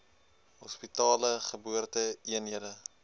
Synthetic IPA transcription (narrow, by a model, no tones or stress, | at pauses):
ɦɔspitɑːləχəbuərtəiənɦiədə